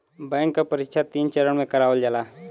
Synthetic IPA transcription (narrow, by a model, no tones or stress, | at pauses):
bɛ̃ːŋkːapəɾɪkʃʰat̪iːnt͡ʃəɾəɳ̃mẽkəɾaːʋəld͡ʒalaː